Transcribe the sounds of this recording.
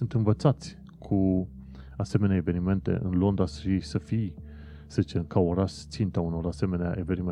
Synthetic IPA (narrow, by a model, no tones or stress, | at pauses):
ɨnt̪ɨnvət̪sat̪sʲ | kʰu | ase̞me̞neaeve̞nime̞nt̪e̞̰ʔɨnlo̞nd̪asisəfij | səzit͡ʃekaoɾast̪sint̪auno̞ɾase̞me̞nea̰ʔe̞ve̞nime